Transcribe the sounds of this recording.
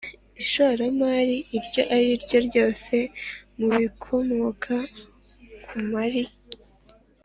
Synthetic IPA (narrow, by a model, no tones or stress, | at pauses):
iʃoɾamaːɾiiɾɟo̞ʔaɾiɾɟo̞ɾɟo̞ːse̞muβikʰo̞moːkʰa | kʰumaɾi